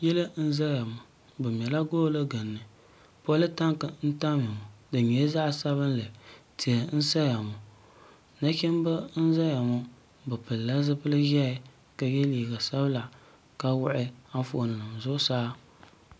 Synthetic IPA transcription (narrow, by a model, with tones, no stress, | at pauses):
jɛ˦lɨ˦n̩˦za˦ja˨mʊ˨ | bɨ˨m˨ɛ˨la˦ɡoː˦lɨ˦ɡa˨nːɨ˨ | pɔ˦lɨ˦ta˦ŋkɨ˨n̩˦ta˦mɪ˨mʊ˨dɨ˨ɲɛ˨˦za˦ʔsa˦βɨ˦nlɨ˨ti˨a˨˦n̩˦sa˦ja˨mʊ˨ | na˦kɛ˦m˦bɨ˦n̩˦za˦ja˨mʊ˦ | bɨ˨pɨ˨lla˦zɨ˦pɨ˦lɨ˦ʒɛ˦ɪ˦ | ka˨jɛ˦liː˨ɡa˨sa˦bɨ˦la˨ | ka˦wʊ˦ʔɪ˦a˦fʊ˨ʔnɨ˨nɨ˨mzʊ˦ʔʊ˦saː˦